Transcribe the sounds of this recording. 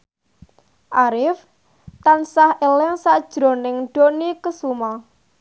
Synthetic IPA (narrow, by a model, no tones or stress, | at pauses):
ʔaɾɪf | t̪ansahelɪŋsaʔd̥ʒ̥ɾo̤nɪŋɖ̥onikəsuma